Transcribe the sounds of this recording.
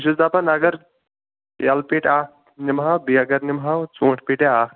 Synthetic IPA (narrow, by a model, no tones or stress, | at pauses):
ʃizapɐnɐɡɐɾ | jɐlpiʈaːk̚ | nimɦawbiɐɡɐɾnimɦawt͡soːʈʰpiʈeaːk